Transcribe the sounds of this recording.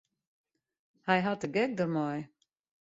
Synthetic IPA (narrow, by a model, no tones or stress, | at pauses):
hajɦattəɡɛk̚dəmɔj